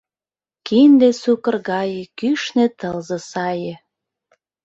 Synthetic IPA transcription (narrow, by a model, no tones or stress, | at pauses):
kind̪esukə̆rɣɑjekyʃnet̪əlzɤ̆sɑjĕ